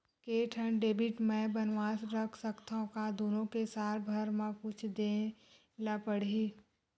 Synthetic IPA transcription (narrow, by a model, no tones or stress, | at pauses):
keːʈʰənɖeːbɪʈmɛ̃bənʋaːsɾɐkʰsɐkt̪aõkad̪oːnõkesaːɾbʱəɾmãkʊt͡ʃʰd̪ẽ | lapəɽ̤i